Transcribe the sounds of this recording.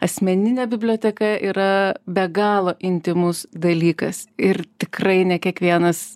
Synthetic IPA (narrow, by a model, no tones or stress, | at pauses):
ɐsʲmʲɛnʲɪnʲeːbʲɪbʲlʲoːt̪ʲɛkɐʔiːɾɐbʲɛɡɑːlˠoːʔɪnʲt̪ʲɪmʊsd̪ɐlʲiːkɐsɪrt̪ʲɪkrɐɪnʲɛkʲiɛkʋʲiɛnɐs